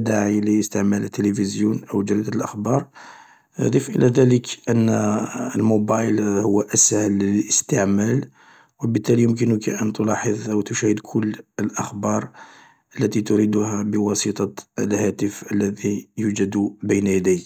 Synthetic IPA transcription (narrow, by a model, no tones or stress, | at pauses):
d̪aʕiliəst̪əʕmælət̪ːələfəzjunʔəwd͡ʒəld̪əlʔəxbɑɾ̰ˤ | d̪ˤifʔə̰læd̪æləkʔənːəlmobɑjlhʊwːʔəshələləst̪əʕmæl | wəbət̪ːælijʊmk̬ənʊkʔənt̪ʊlɑħəðˤʔəwt̪ʊʃæhəd̪kʰʊlːəlʔəxbɑɾˤ | ʔəlːæt̪it̪ʊɾid̪ʊhæbəwɑsit̪ˤɑə̰lhæt̪əfəlːæðijud͡ʒəd̪bəjnæjæd̪æjk